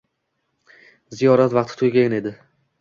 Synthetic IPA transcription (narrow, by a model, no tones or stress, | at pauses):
zijɒɾat̪vɑqt̪ʰɪ̥t̪ʰʊjɡʲaɪne̞d̪ɪ